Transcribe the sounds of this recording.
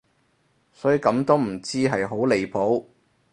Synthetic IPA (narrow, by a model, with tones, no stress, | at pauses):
sɔː˨˥ji˨kɐ˨˧˥mt̪o˥wm̩˨˩t͡siː˥ɦɐ˨jɦo˨˥wle˨jpʰo˨˥w